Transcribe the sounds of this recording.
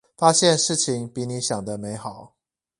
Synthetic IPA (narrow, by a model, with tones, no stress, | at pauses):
fa˦˥ɕjɛ˥˨nʂɻ̩˥˩t͡ɕʰi˨˦ŋpi˨˦ni˧˦ɕjɑ˨˩ŋd̪ə˦me˧˥ɪxɑ˨˩˦ʊ